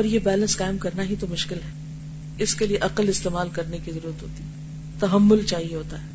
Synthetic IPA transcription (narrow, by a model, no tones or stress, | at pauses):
ɔːɾjebɛːlə̃nskaːɪmkɐɾnaɦit̪omʊʃkɪlɦɛː | ɪskelieʔɐqəlɪst̪eːmaːlkɐɾnekizɐɾuːɾət̪ɦoːt̪iɦɛ | t̪ɐɦɐmːʊlt͡ʃaːɦieɦoːt̪aɦɛː